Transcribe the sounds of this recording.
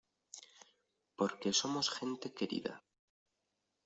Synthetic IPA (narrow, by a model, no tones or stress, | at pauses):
po̞ɾke̞so̞mo̞sxe̞nt̪e̞keɾḭða̰